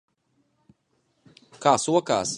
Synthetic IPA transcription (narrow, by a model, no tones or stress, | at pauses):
kaːsuɔka̰ːs